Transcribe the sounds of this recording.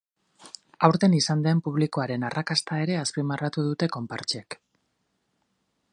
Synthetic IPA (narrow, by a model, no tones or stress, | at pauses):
awɾt̪e̞nisand̪e̞mpuβ̞liko̞aɾe̞narʔakast̪ae̞ɾe̞aspimarat̪uð̞ut̪e̞ko̞mpa̰ɾt͡ʃiek